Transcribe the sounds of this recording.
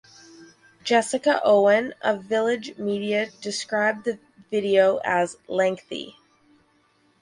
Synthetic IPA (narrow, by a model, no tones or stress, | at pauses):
d̥ʒ̥ɛsɨkəʔoʊɨ̃nʔəvɪlˠɪd͡ʒmiɾiɨd̥ɨskɹaɪb̚ðɨ | vɪɾioʊʔɨzlɛ̃ŋk̚θḭ